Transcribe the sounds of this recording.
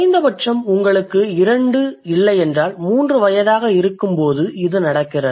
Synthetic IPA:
ɪnd̪ɐpɐʈʂɐmʊŋɡɐɭɯkːɯɪɾɐɳɖɯɪlːɐɪɛndraːlmuːndrɯʋɐjɐðaːɣɐɪɾɯkːɯmpoːðɯɪðɯnɐɽɐkːɪrɐ

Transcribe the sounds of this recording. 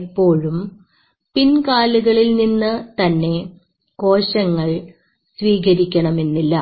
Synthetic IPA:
pːo̞ːɭum | pinkaːluɣɐɭilninːɨt̪ɐnːe̞ | ko̞ːɕɐŋːɐɭ | sʋiːɣɐɾikʲːɐɳɐme̞nːilːɐ

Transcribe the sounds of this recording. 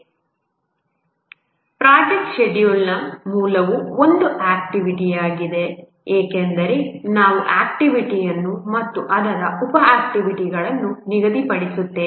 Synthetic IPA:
pɾaːd͡ʒek̚ʈʃeɖjulnɐmuːlɐʋuo̞nd̪uʔaːk̚ʈiʋiʈijaːɡid̪e̞ | eːkend̪ɐɾe̞naːʋuʔaːk̚ʈiʋiʈijɐnːumɐt̪ːuʔɐd̪ɐɾɐupɐaːk̚ʈiʋiʈiɡɐɭɐnːuniɡɐd̪ipɐɽisut̪ːe

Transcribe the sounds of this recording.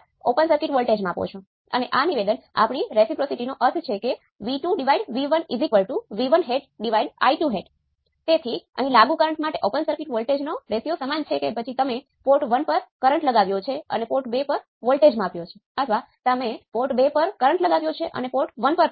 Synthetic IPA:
opənsəɾkiʈʋəlʈed͡ʒmãapo̰t͡ʃʰo | ə̰neʔaniʋed̪əna̰pɳ̃iɾesipɾosiʈinoʔət̪ʰt͡ʃʰeke | ʋiʈuɖiʋaiɖʋiʋənizikʋəlʈuʋiʋənɦeɖɖiʋaiɖa̰iʈuɦeɖ | t̪et̪ʰiə̰ɦĩlaɡũkəɾəɳʈmaʈeʔopənsəɾkiʈʋəlʈed͡ʒnoɾesijosəmant͡ʃʰekepət͡ʃʰit̪əme | poʈʋənpəɾkəɾəɳʈləɡaʋjot͡ʃʰeə̰nepoʈbepəɾ | ʋəlʈed͡ʒmãapjot͡ʃʰe | ət̪ʰʋat̪əmepoʈbepəɾkəɾəɳʈləɡaʋjot͡ʃʰeʔə̰nepoʈʋənpəɾ

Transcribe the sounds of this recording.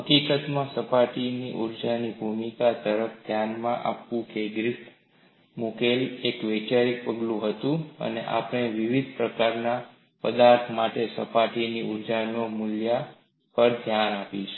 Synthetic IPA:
pəkikət̪mãsəpaʈiniʔuɾd͡ʒanibʱumikat̪əɾəfd̪ʱjanmãʔa̰pʋũkeɡɾɪp | mukeliekʋet͡ʃaɾik̚pəɡlũɦət̪ũə̰nḛʔa̰pɳ̃eʋiʋid̪̚pɾəkaɾna | pəd̪aɾt̪ʰmaʈesəpaʈiniuɾd͡ʒanomʊlja | pəɾd̪ʱjanapit͡ʃe̥

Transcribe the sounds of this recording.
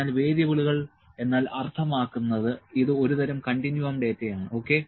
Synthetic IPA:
aːlʋe̞ːd̪jɐʋiɭuɣɐɭ | e̞nːaːlʔɐrt̪ʰɐmaːkːunːɐðɨiðɨo̞ɾuðɐɾɐmkɐɳɖinjuɐmɖe̞ːtːejaːɳɨo̞ːkːe̞

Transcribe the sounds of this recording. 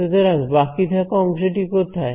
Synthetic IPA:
ed̪eɾaɡbakit̪ʰakɔmʃeʈikot̪ʰae

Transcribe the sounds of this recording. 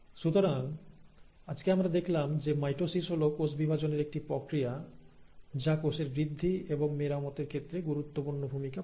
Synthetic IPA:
ʃut̪oɾaŋ | ad͡ʑkeamɾad̪ekʰlamd͡ʑemajʈosisɦolokosbibʱad͡ʑoneɾek̚ʈipɾokɾija | d͡ʑakoseɾbɾid̪ʱːieboŋmeɾamɔt̪eɾkʰet̪ːɾeɡuɾut̪ːopuɾnobʱumika

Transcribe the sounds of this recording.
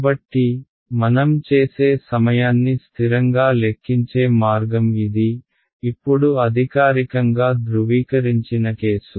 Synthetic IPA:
bɐʈːi | mɐnɐmt͡ʃe̞ːse̞ːsɐmɐjaːnːist̪ʰiɾɐŋɡaːle̞kʰːiɲt͡ʃeːmaːɾɡɐmid̪iː | pːuɽuɐd̪ʱikaːɾikɐŋɡaːd̪ɾuʋiːkɐɾiɲt͡ʃinɐkeːsu

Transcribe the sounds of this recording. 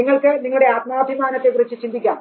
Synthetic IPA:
iŋːɐɭkɨniŋɐɭuɽe̞aːt̪̚maːbʱimaːnɐt̪ːe̞kurit͡ɕːɨt͡ɕind̪ʱikʲːaːm

